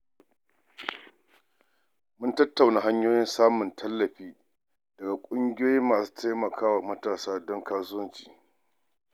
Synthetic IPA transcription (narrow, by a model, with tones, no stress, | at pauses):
mʊ˦ntɐ˦tːa˨wna˨ɦa˦ɲjoː˦jɪ˦nsaː˦mʊ˨ntʰɐ˦lːɐ˨ɸiː˦ | dɐ˨ɡa˨kʷʼʊ˦ŋɡʲɪ˦oː˦ji˦mːaː˨su̥ː˦ta˦jmɐ˨kʰaː˦wa˨mɐ˦taː˨saː˦dɔ˦ŋkaː˦sʊ˦wɐ˦nt͡ʃi̥̰ː˨